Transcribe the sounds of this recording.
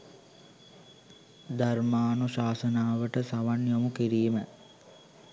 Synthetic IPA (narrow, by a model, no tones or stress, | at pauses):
d̪armaːnuɕaːsənaːʋəʈəsaʋanjomukiɾiːmə